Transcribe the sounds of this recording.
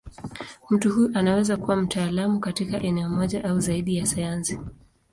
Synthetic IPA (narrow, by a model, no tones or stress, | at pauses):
m̩tuhuʔanawɛzakuwam̩taːlamukatikaʔɛnɛɔmɔʄaʔauzaiɗijasajansi̥